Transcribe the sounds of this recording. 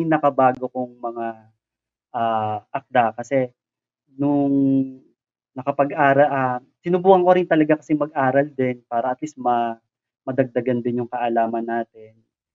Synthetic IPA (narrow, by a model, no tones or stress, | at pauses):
nɐkɐbaːɡokʊŋmɐŋa | ʔaːʔɐk̚d̪akɐsɛ | nʊŋ | nɐkɐpɐɡʔaːɾɐlʔa | sɪnʊbuːhɐŋkoɾɪnt̪ɐlɐɡakɐsɛmɐɡ̚ʔaːɾɐld̪ɪnpaːɾɐʔɐt̪lismɐ | mɐd̪ɐɡ̚d̪ɐɡand̪ɪnjʊŋkɐʔɐlaːmɐnːaːt̪ɪn